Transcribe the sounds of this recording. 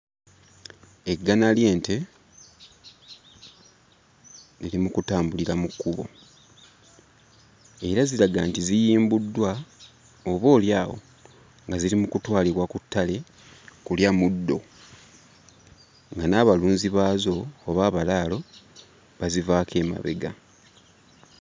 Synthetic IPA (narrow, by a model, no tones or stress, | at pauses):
eɡːanalje̞ːnte̞ | lilimukutaːmbuliɾamukːuβo̞̰ | e̞ɾaziɾaɡaːntizijiːmbudːwa | oβo̞ːljaːwo̞̰ | ŋɡazilimukutwaːliβwakutːale̞ | kuljamudːo̞̰ | ŋɡanaːβaluːnziβaːzo̞ːβaːβalaːlo̞ | βazivaːkʰe̞ːma̰βe̞̰ɡa